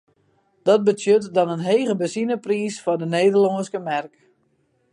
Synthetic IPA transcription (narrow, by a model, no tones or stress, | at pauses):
d̥ɔt̚bətjøtdɔnənɦeːɣəbəsinəpriːsfɔdəneːdəlɔŋskəmɛrk